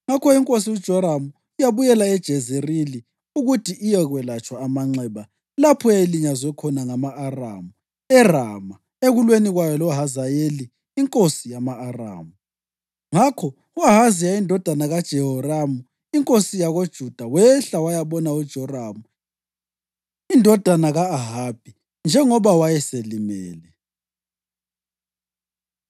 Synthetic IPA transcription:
ŋakʰɔiŋkʼos̬iud̥ʒ̥ʱɔɾamu | ijaβujɛlaɛd̥ʒ̥ʱɛzerili | uɣutʰiʔijɛɣwɛlat͡ʃʼwaːmaŋ͡ǀɛβa | lapʰɔjailiɲazɔkʰɔnaŋamaʔːra̰mu | ɛra̰ma | eɣulweniɣwajɔlɔɦazajeliː | ŋkʼosijamaːra̰ːmu | ŋakʰɔ | uaɦazijaindʱɔd̥ʱanaɣad̥ʒ̥ʱɛɦɔramu | iŋkʼosijaɣod̥ʒ̥ʱud̥ʱawɛɬawajaβɔnaud̥ʒ̥ʱɔramu | indʱɔd̥ʱanaɣaaɦab̥ʱi | nd͡ʒʱɛŋɔβawajɛselimɛ̰ːlɛ

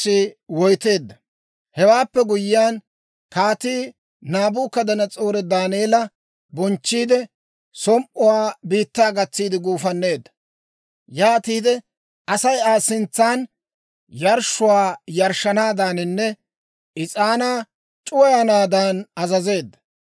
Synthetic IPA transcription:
ɪwɔjt̪e̞ːd̪ːɐ | hɛwaːpːɛɡʊjɪjaːn | kaːt̪iː | naːbʊːkːɐd̪ɐnɐt͡sʼoːɾɛd̪aːneːlɐ | bɔnt͡ʃːiːd̪ɪ | sɔmʔʊwaːbiːt̪ːaːɡɐt͡sːiːd̪ɪɡuːfɐnːe̞ːd̪ːɐ̥ | jaːt̪iːd̪ɛ | ʔɐsɐjaːsɪnt͡sːaːn | jɐɾʃʊwaːjɐɾʃɐnaːd̪aːnɪnːɛ | ɪt͡sʼaːnaː | t͡ʃʼʊwɐjɐnaːd̪aːnɐzɐze̞ːd̪ːɐ̥

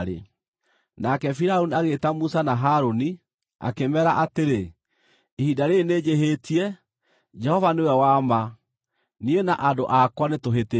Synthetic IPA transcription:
ɾḛ | nakɛfiɾaoniaɣetamusanaɦaɾoni | a̰kemɛɾaʔateɾe | ehidaɾeneːd͡ʑeɦetiɛ | d͡ʒɛhɔvanewɛwama | niena̰ʔadoʔakwanetoɦete

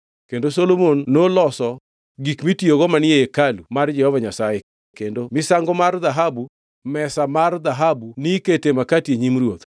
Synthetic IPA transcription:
kendosolomonːolɔsɔ | ɡikmitioɡɔmanɪeekalumard͡ʒɛhɔvaɲasaje | kendomɪsaŋɡomarðaɦabu | mɛsamard̪aɦabuniketemakatjeɲimrwot̪

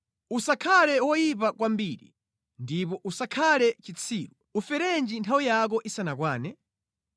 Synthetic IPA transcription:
usakʰalɛwɔjipakwambiɾḭ | ndipɔʔusakʰalɛt͡ʃit͡sʰiːɾu | ufɛɾɛnd͡ʒintʰawijak̬ɔʔisanakwaːnɛ

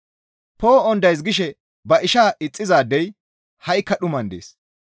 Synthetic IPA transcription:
poːɔnd̪ɐjs̬ɡɪʃɛ | bɐʔɪʃaːʔɪt͡sʼːɪzaːd̪ɛj | hɐjkːɐɗʊmɐnd̪ḛːs

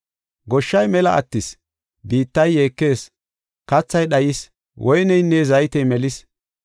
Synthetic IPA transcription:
ɡɔʃːɐjmɛlɐʔɐ̰t̪ːɪs | biːt̪ːɐjːeːkːe̞ːs | kɐt͡sːɐjɗɐjɪs | wʔɔjnɛjnːezɐjt̪ɛjmɛlɪs

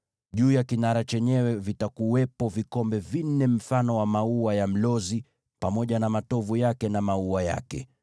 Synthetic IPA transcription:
ʄuːjakinaɾat͡ʃɛɲɛwɛvitakuwɛpɔvikɔmbɛvin̩ːɛm̩fanɔwamauwajam̩lɔzi | pamɔʄanamatɔvujakɛnamauaja̰kɛ̰

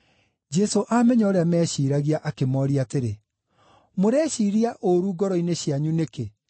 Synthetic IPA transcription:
d͡ʒɛsoʔamɛɲaɔɾeamɛːɕiːɾaɣiaʔakemɔɾiateɾe | moɾɛːɕiɾiaʔoɾuːɡɔɾɔineɕiaɲuneke

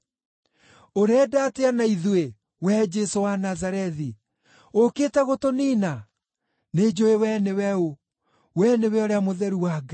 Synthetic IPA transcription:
oɾɛdateanaiðwe | wɛd͡ʒesowanazaɾɛði | okeːtɛɣotoniːna | ned͡ʑoewɛnewɛo | wɛnewɛoɾeamoðɛɾuwaɡa

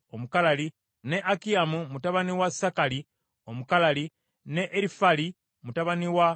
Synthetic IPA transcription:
o̞mukalali | ne̞ʔakiamumutaβaniwasakali | o̞mukalali | ne̞ʔːɾifali | mutaβaniwa

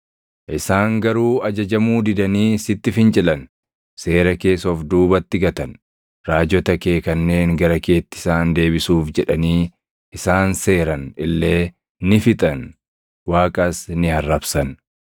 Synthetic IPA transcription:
ʔɪsaːŋɡɐɾuːɐd͡ʒɐd͡ʒɐmuːd̪ɪd̪ɐniːsɪt̪ːɪfɪnt͡ʃʼɪlɐn | se̞ːɾɐke̞ːsɔfd̪uːbɐt̪ːɪɡɐt̪ɐn | ɾaːd͡ʒɔt̪ɐkeːkɐnːe̞ːŋɡɐɾɐke̞ːt̪ːɪ̥saːnd̪e̞ːbɪsuːfd͡ʒɛᶑɐniː | ʔɪsaːnse̞ːɾɐnɪlːe̞ː | nɪfɪt̪ʼɐn | waːkʼɐsnɪɐrːɐbsɐn

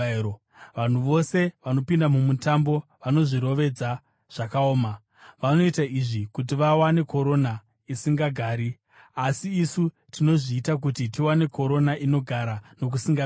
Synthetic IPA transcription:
ʋan̤uʋo̞se̞ʋano̞pindamumutambo̞ʋano̞ʐiɾo̞ʋe̞d͡za | ʐ̥akaoːma | ʋano̞itaiʐikut̬iʋawane̞kʰo̞ɾo̞na | isiŋɡaɡʱaːɾi | asiːsu | tino̞ʐiːtak̬utitiwane̞kʰo̞ɾo̞naʔino̞ɡʱaɾano̞k̬usiŋɡa

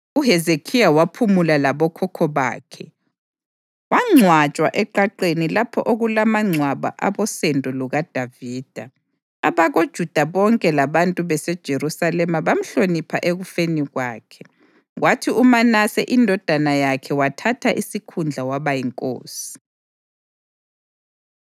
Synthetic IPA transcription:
uɦɛzekʰijawapʰumulalaβɔkʰɔkʰɔβa̰ːkʰɛ | waŋ͡ǀʱwat͡ʃʼwaʔɛǃaǃenilapʰɔʔoɣulamaŋ͡ǀʱwaβa̰ʔa̰βɔsɛntʼuluɣad̥ʱaviːd̥ʱa | aβaɣod̥ʒ̥ʱud̥ʱaβɔŋkʼɛlaβantʼuβɛsɛd̥ʒ̥ʱeɾusalɛmaβam̩ɬonipʰaʔeɣufeniɣwaːkʰɛ̥ | watʰiumanasɛʔindʱɔd̥ʱanajakʰɛwatʰatʰaʔisikʰund͡ɮʱawaβajiŋkʼo̰ːsi̥

